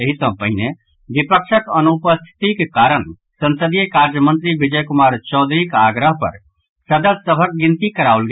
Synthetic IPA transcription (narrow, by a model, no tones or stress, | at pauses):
əɦisə̃pəɦine | bipəkʃʰəkənupəst̪ʰi̥t̪ikekaɾən | sənsəd̪ijəkaɾd͡ʒəmə̃nt̪ɾibid͡ʒəjkumaɾt͡ʃɔːd̪ʱɾikaɡɾəɦpə̰ɾ | səd̪əd̪səbʱək̚ɡint̪ikəɾaulɡe